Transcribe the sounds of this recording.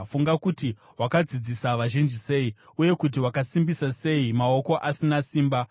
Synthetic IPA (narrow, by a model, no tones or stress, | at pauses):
fuŋɡakuti | wakad͡zid͡zisaʋaʒind͡ʒise̞i | uje̞kut̬iwakasimbisase̞imao̞ko̞ʔasinasiːmba